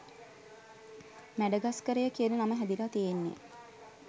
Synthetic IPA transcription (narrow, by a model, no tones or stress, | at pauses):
mæɖəɡaskəɾəjəkiənənaməɦæd̪ilat̪ijenːḛ